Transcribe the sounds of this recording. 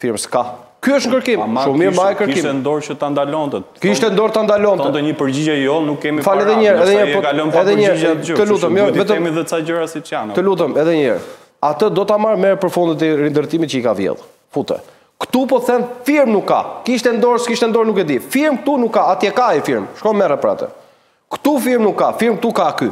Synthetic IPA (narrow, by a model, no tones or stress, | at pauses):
fiɾmsə̥ka | kyəʃt̪nkəɾkimʃumiɾmaɛkəɾkkimɛnd̪ɔɾt͡ʃət̪and̪alɔnt̪ɛkiʃt̪ɛnd̪ɔɾt̪and̪alɔnɛd̪ɛɲəpəɾd͡ʑid͡ʑɛjɔnukːɛmifalɛðɛɲɛɾɛðɛɲɛɾɔalɔnɛðɛɲɛɾaət̪əlut̪əmjɔvɛt̪əɛmiðɛt͡sad͡ʒəɾasit͡ʃant̪əlut̪əmɛðɛɲɛ̰ɾ | at̪əd̪ɔt̪amaɾmɛɾɛpəɾfund̪ɛt̪ɛɾind̪əɾt̪imit̪̚cəikavjɛ̰ðˠ | fut̪ɛ̰ | kt̪upɔθɛnfiɾmnukːa̰kiʃt̪ɛnd̪ɔɾskiʃt̪ɛnd̪ɔɾnukɛd̪ifiɾmk̚t̪unukːaːt̪jɛkaifiɾmʃkɔnmɛɾɛpəɾa̰t̪ə̰ | kt̪ufiɾmnukːafiɾmk̚t̪ukaky